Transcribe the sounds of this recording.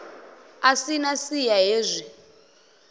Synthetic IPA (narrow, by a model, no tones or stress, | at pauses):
asinasijaɦeːzʷi